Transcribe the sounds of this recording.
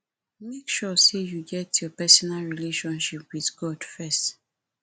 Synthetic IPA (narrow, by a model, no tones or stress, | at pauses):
mekʃɔsejuɡɛtjɔpɛsɔnalɹileʃɔ̃nʃipwiðɡɔdfɛst